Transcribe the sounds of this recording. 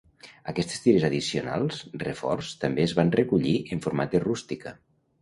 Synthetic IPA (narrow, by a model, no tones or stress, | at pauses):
əkɛst̪e̥st̪iɾezaðisiona̰lˠsrḛfɔ̰rst̪əmbeːzβanrekuʎiʔəɱfuɾmat̪̚erust̪ikə